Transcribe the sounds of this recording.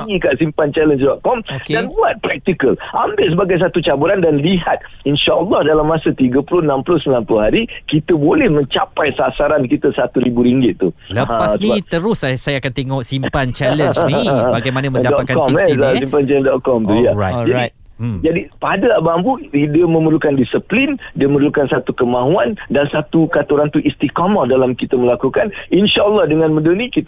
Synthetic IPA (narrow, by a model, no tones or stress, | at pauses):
ikaʔsimpant͡ʃɛlənsdɔʔ̪̚kɔmdanbuat̪̚pɾɛk̚t̪ikəlʔa̰mbɪʔsəbaɡajs̬at̪ut͡ʃabuɾandanliɦat̪̚ | inʃaʔəlːɔhdalamːasət̪iɡəpulʊhənãmplʊhsəmilanplʊhaɾikit̪əbolɛhmə̃ɲt͡ʃapajsasaɾankit̪əsat̪uɾibuɾiŋɡɪt̪̚ːuləãassnniat̪əɾʊssajaːkant̪eŋɔʔsimpant͡ʃɛlə̃nibaɡajmanãmə̃dadɔat̚kakɔmɛsssimpant͡ʃɛləndɔt̪̚kɔmt̪ujaajd͡ʒaij | d͡ʒadipadaabambuidiəmə̃mərlukandisəplindiəməɾlukansat̪ukəmãɦuandansat̪ukat̪uɾant̪uʔist̪ikɔmədalamkit̪əməlakukaninʃaəlːɔhdəŋãnmədənikit̪